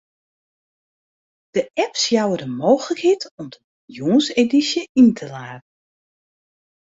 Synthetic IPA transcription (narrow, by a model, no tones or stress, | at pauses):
d̥əʔɛpsjawədəmoːxələkhetɔmdə | juːənsedisjəintʰəlaːtn̩